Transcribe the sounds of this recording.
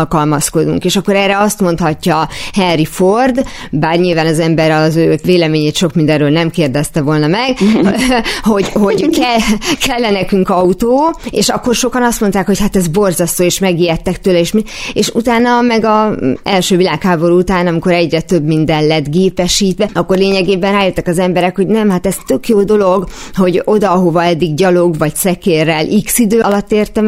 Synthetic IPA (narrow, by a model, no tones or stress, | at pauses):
lkɒlmɒsko̞d̪ṵŋkeːʃɒkːo̞ɾɛːrɛɒst̪mo̞n̪t̪hɒcːɒhɛnriford̪baːrɲilvaːnɒzɛmbɛɾɒzøːveːlɛmeːɲeːt̪ʃo̞kmind̪ɛɾøːlnɛmkeːrd̪ɛst̪ɛvo̞lnɒmɛɡ̥ | ho̞ɟho̞ɟkɛkʰɛlːɛnɛkyŋkɒut̪oːeːʃɒkːo̞rʃo̞kɒnɒst̪mo̞nt̪aːkho̞chat̪ɛzbo̞rzɒst̪oːeːʃmɛɡiːɛt̪ːɛkt̪øːlɛeːʃmieːʃṵt̪aːnɒmɛɡɒɛlʃøːvilaːkhaːbo̞ɾuut̪aːnɒmiko̞ɾɛɟrɛt̪ø̞bmind̪ɛnlɛd̪ɡeːpɛʃiːt̪ʋɛɒkːo̞rleːɲɛɡeːbɛnraːjøt̪ːɛkɒzɛmbɛɾɛkho̞ɟnɛmɦat̪ɛzt̪ø̞kjoːd̪o̞lo̞ɡho̞ɟo̞d̪ɒɦo̞vɒɛd̪ːiɡɟɒlo̞ɡvɒɟsɛkeːrːɛlʔiksid̪øːɒlɒt̪ːeːrt̪ɛm